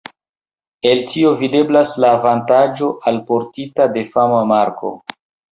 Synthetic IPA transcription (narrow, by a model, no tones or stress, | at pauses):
e̞ltio̞vide̞blaslaːvantad͡ʒo̞ʔalpo̞ɾtitade̞famamaɾko̞̰